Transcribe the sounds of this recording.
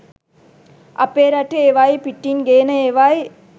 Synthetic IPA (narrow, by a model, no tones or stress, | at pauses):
ʔɐ̰pːeːɾaʈːɯeːʋaːjpiʈːinɡeːnɐeʋaːj